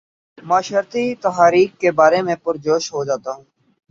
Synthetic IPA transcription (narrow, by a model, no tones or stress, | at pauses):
mãːʃəɾt̪it̪əɦaːɾiːkkːeːbaːɾemẽpʊɾd͡ʒoːʃɦod͡ʒaːt̪aːɦũː